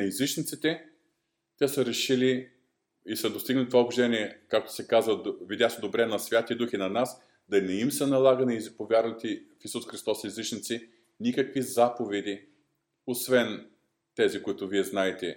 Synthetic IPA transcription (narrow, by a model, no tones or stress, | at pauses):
ɐizit͡ʃnit̪sit̪ɛ | t̪ʲɛsəɾɛʃili | isəd̪ost̪iɡnlit̪ovaobʒd̪ɛniɛkak̚t̪ʊ̥sɛkazvəvid̪jasɛd̪obɾɛnɐsvʲjat̪ʲiɐd̪uxinɐnas | d̪ɐnɛimsənɐlˠaɡəniizipovʲjaɾnɐt̪ifisusxɾist̪ɔsizit͡ʃnit̪si | nʲikəkvizapovɛd̪i | osvɛn | t̪ɛzikʊit̪ʊviɛznaɛt̪ɛ